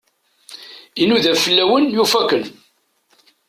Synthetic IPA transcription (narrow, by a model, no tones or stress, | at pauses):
inuðæfəlːæwənjufækən